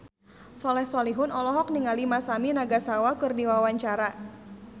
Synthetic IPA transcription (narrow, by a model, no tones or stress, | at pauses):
sɔlɛhsɔliɦʊnɔlɔɦɔk̚niŋalimasaminaɡasawakɨrdiwawaɲt͡ʃaɾa